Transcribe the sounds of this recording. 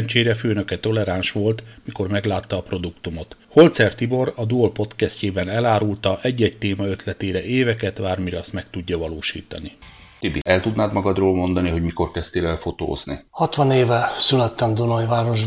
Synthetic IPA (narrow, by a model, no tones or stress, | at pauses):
nt͡ʃeːɾɛføːnø̞kɛt̪o̞lɛɾanʃʋo̞lt̪miko̞rmɛɡlaːt̪ːɒːpro̞d̪ukt̪umo̞t̪ho̞lt̪sɛrt̪ibo̞ɾɒd̪uolpo̞t̪kɛsceːbɛnɛlaːɾult̪ɒʔɛɟːɛɟt̪eːmɒøt̪lɛt̪eːɾɛʔeːvɛkɛt̪baːrmiɾɛɒst̪mɛkt̪uɟːɒvɒloːʃḭːt̪ɒ̰ni | t̪ybːiʔɛlt̪ud̪naːd̪mɒɡɒd̪roːlmo̞nd̪ɒniɦo̞ɟmiko̞rkɛst̪eːlɛlfo̞t̪o̰ːznḭhɒt̪ʋɒneːvɛsylɛt̪ːɛmd̪onɒjvaːɾo̞ʒ